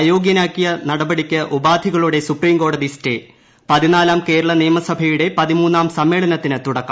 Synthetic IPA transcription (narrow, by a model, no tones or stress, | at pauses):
jo̞ːɡjɐnaːkːijɐnɐɽɐbɐɽikʲːɨʔubaːd̪ʱiɣɐɭuɽe̞supriːmko̞ːɖɐðistḛː | pɐðinaːlaːmke̞ːɾɐɭɐnijɐmɐsɐbʱɐjuɽe̞pɐðimuːnːaːmsɐmːe̞ːɭɐnɐt̪ːinɨt̪uɽɐkːɐ